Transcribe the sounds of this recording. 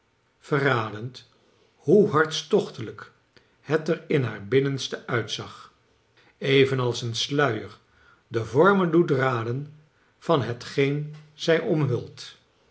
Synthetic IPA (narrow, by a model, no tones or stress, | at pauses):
v̥əraːdənt | huɦɑɹtstɔχtələk | hɛtəɹɪnɦaːɹbɪnənstəʔœɥtsɑχ | ejvənɑlˠsənslœɥəɹ | dəvɔɹməndudraːdən | v̥ɑnɦətχejnz̥ɛjʔɔmɦɵlˠt